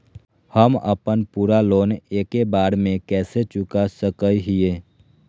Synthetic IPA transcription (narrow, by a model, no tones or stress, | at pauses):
həmə̰pənpuːɾaloːneːkebaːɽmẽkɛːset͡ʃʊkasəkəiɦieː